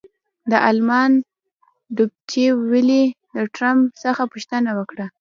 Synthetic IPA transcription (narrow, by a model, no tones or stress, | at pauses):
d̪əʔalmɑn | d̪ub̚t͡ʃewililəʈɾampsəxapuʃt̪ənawəkɽa